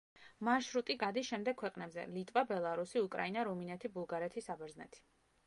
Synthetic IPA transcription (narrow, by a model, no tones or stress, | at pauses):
maʃɾut̪ʼiɡad̪isʃɛmd̪ɛkʰwɛqʼnɛbzɛ̰lit̪ʼvabɛlˠaɾusiukʼɾa̰inaɾɔminɛt̪ʰibulˠɡaɾɛt̪ʰisabɛɾznɛ̰t̪ʰi̥